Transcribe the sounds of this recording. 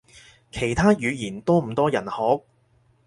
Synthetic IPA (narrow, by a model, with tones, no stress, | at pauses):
kʰe˨˩jt̪ʰaː˥jyː˨˧jiː˨˩nt̪ɔː˥m̩˨˩t̪ɔː˥jɐ˨˩nhɔː˨˥k̚